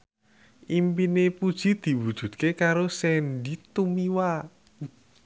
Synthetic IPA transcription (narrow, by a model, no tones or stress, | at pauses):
ʔimpinepud̥ʒ̥i̤d̪̥i̤wud̥ʒ̥ṳt̪̚kekaɾosɛnɖit̪umiwa